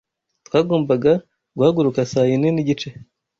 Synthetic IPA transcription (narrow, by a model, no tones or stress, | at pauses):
twaːɡoːmbaɡa | ɡuhaɡuɾukasajininiɟit͡ʃe